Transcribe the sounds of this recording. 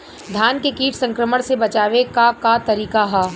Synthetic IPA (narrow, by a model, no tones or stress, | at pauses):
d̪ʱjaːnkekiːʈʰsɐ̃ŋkɾəməɽ̃sebɐt͡ʃaːʋekakat̪ɐɾiːkaɦaː